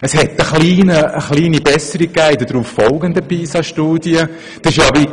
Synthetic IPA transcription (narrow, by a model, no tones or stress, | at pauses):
əshɛt̪əχliːnəːχliːnibɛsəɾikːæːɪdədɾuːffɔlɡənd̪əpiːsɑʃtuːd̥jə | d̥ɑɪʃjɑʋi